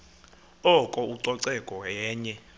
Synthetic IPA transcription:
ɔkʼɔuǀɔǀɛkʼɔɛːɲɛ

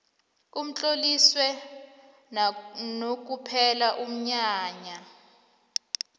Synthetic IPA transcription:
um̩t͡ɬʼoliswɛ | nok̬ʼupʰɛlaʔum̩ɲaːɲa

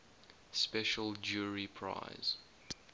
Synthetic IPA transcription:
spɛʃəld͡ʒuːɹipʰɹa̰ɪz̥

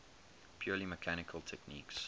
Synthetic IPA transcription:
pʰjɔːliməkʰæñɪkʰəlˠtʰɛkniːks

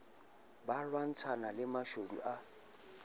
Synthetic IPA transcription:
balwan̩t͡sʰanalɪmaʃodṵʔa

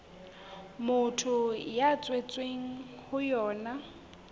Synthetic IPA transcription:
mʊtʰʊjat͡sʼwet͡sʼweŋ̩hʊjɔːna

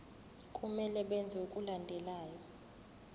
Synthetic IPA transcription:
kʼumɛlɛɓɛnd͡zʱɛukʼulandʱɛlaːjɔ

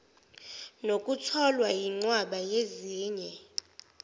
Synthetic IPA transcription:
nokʼutʰɔlwajiŋ͡ǀwaɓajeziːɲɛ

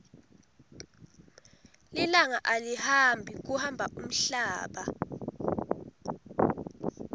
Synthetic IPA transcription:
lilaŋaʔalihambʱik̬uhambʱaʔum̩ɬaːɓa

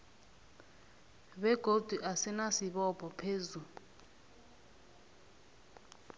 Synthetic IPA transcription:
βɛɡ̥ʱod̥ʱuʔasɛnasiɓɔpʰʼɔpʰeːzu

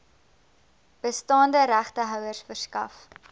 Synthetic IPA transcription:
b̥əstɑːndəɾæχtəɦœwərsfərskɐ̰f

